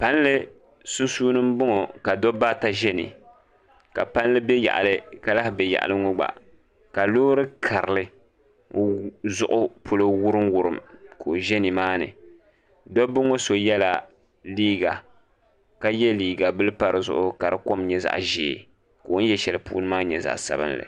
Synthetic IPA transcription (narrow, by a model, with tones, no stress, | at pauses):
pa˦n˦lɨ˦ | su˦suː˦nɨ˦m˦bʊ˦ŋo˨ka˨dɔ˦ba˦ta˦ʒɛ˦nɨ̰˨ | ka̰˨pa˦n˦lɨ˦bɛ˦ja̰˨ʔa̰˨lɨ˦ka˨la˦hbɛ˨ja̰˨ʔa̰˨lɨ˦ŋʊ˦ɡ͡ba̰˨ | ka˨loː˦ɾɨ˦kʰa˨ɾɨ˨lɨ˦ | zʊ˦ʔʊ˦pʰʊ˦˨lo˦wʊ˦ɾɨ˦mwʊ˨ɾɨ˨mkʰoː˨ʒɛ˦ni˨maː˦nɨ̰˨ | dɔ˦bɨ˦ŋo˦so˨jɛ˦la˨ | liː˦ɡa˨ | ka˦jɛ˦liː˦ɡa˨bɨ˦lɨ˦pa˨ɾɨ˨zʊ̰˦ʔʊ˦ka˨ɾɨ˦ko˦mɲɛ˦za̰˨ʔʒeː˨ | ko˨˦n˦jɛ˦ʃɛ˨lɨ˨pṵː˦nɨ˦maː˦ɲɛ˨za̰˨ʔsa̰˨bɨ̰˦nlɨ̰˨